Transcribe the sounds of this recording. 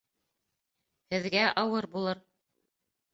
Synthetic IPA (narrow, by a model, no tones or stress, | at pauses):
hɘ̆ðɡæʔɑwɤɾbulˠɤɾ